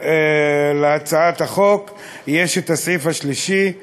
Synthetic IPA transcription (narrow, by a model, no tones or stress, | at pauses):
eleat͡saat̪aχo̞k | jeʃetasʕifaʃliʃi